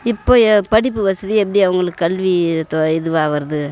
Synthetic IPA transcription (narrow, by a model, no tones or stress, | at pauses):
ɪpːoːpɐɽɪp̬ːɯʋɐsɐðiɛp̬ːɐɽiɐʋɐŋɡɐɭɯkːɯkːɐlʋit̪oɪðɯʋaːʋɐɾɐðɯ